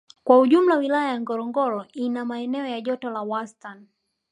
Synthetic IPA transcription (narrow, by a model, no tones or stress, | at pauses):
kwauʄum̩lawilajajaŋɡɔɾɔŋɡɔɾɔinamaɛnɛɔjaʄɔtɔlawastan